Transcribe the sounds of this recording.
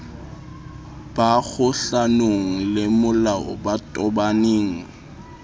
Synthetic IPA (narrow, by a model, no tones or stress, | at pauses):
b̥aɣʊɬanoŋ̩lɪmʊlaʔʊ̰batʼɔbaneːŋ̩